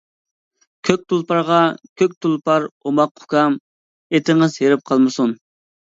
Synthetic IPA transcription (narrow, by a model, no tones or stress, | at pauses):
kʲʰøk̚ʲt̪ʰulˠpɑɾʁɑkʲʰøk̚ʲt̪ʰulˠpɑɾomɑqʰːʊ̥kɑm | et̪ɪŋɨzɦeɾɪp̚qʰɑlˠmɨsun